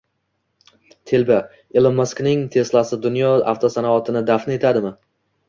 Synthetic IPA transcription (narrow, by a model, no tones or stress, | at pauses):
t̪ʰelba | elˠɪmːasknɪŋt̪ʰe̞slasɪd̪ʊnjɒa̰ft̪ʰosanaɒt̪ʰɪnɪd̪afne̞t̪ʰad̪ɪmɪ